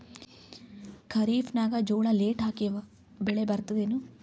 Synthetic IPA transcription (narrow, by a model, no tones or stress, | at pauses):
kʰɐɾiːfnaːɡad͡ʒoːɽaːleːʈaːkijʋ | beɭebɐɾt̪əd̪eːnu